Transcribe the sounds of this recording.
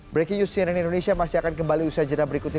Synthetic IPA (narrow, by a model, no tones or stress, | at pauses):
bɾekiɲusiananindonesiamasiakankəmbaliusaɦad͡ʒəɾahbəɾikut̪i